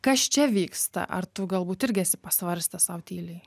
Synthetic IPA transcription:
kɐst͡ʃʲɛʋʲiːkst̪ɐ̰ʔɐ̰rt̪ʊɡɐlˠbuːt̪ɪɾʲɡʲɪæsʲɪpɐsʋɐɾʲsʲt̪ʲɛsɐʊt̪ʲiːlʲɛɪ

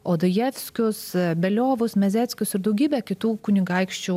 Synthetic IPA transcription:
oːd̪ojɛːfʲsʲkʲʊsbʲɛlʲoːʋʊsmʲɛzʲæːt̪ʲsʲkʲʊsɪɾd̪ɐʊɡʲiːbʲɛkʲɪt̪uːkʊnʲɪɡɐɪkʃʲt͡ʃʲuː

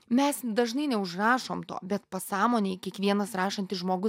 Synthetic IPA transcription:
mʲɛsd̪ɐʒnɐɪnʲɛʊʃrɑːʃoːmt̪o̰ːbʲɛt̪pɐsɑːmoːnʲeːɪkʲiɛkʋʲiɛnɐsɾɑːʃɐnʲt̪ʲɪsʒmoːɡʊs

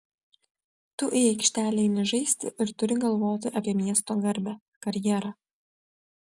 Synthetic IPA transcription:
t̪ʊʔɛɪkʃʲt̪ʲæːlʲɛɪnʲɪʒɐɪsʲt̪ʲɪ̰ʔɪɾt̪ʊɾʲɪɡɐlˠʋoːt̪ʲɪʔɐpʲiɛmʲiɛst̪oːɡɐɾʲbʲæ | kɐɾʲjɛɾɑː

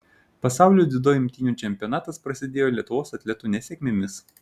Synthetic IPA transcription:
pɐsɑˑʊlʲuːd̪ʲɪd̪oːɪmʲt̪ʲiːnʲuːˑt͡ʃʲɛmʲpʲiɔnɑːt̪ɐspɾɐsʲɪd̪ʲeːjoːlʲɛt̪ʊʋoːsɐt̪ʲlʲɛt̪uːnʲɛsʲɛkʲmʲɪmʲɪs

